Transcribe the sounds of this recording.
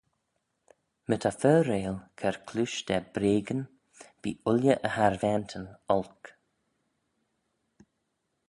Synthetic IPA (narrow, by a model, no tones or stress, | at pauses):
mət̪ʰafœːɾeːlkʰɛɹkʰlʉʃd̪ɛbɾeːɡən | b̥ḭːʊljəʔəhaɹvɛnt̪ʰənɔlk